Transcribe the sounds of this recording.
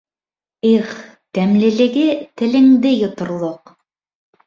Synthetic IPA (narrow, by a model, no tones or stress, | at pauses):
iχ | t̪æmlɘ̆lɘ̆ɡɘt̪ɘ̆lɘ̆ŋd̪ɘjŏt̪ŏɾlˠoq